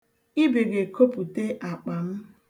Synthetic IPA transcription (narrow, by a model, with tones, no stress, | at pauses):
i˦be˨ɡe˨ko˦pu˨te˦ʔa˨k͡pa˨m̩˦